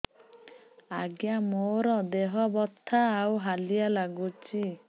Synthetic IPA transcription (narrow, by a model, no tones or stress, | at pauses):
aɡjamoɾɔd̪eɦɔbɔt̪ʰːaːwɦalijalaɡut͡ʃi